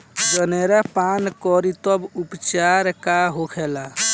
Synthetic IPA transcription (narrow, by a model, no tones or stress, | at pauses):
d͡ʒəneɾapankɔɾit̪ɔbupt͡ʃaɾkaɦokʰɛla